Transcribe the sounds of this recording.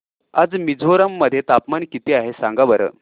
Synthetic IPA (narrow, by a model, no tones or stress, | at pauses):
ad͡zmid͡zoɾamːəd̪ʱːjet̪apmankit̪iaɦesãŋɡaʋəɾə̰ː